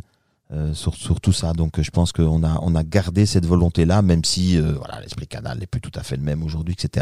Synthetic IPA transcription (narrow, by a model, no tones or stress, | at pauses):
øsyʁsyʁt̪usad̪ɔ̃kʒəpɑ̃skəɔ̃naɔ̰̃naɡaʁd̪esɛt̪vɔlɔ̃t̪elamɛmsiøvwa̰la̰lɛ̰spχikana̰lɛplyt̪u̥t̪afɛləmɛmoʒuʁd̪ɥiɛkset̪e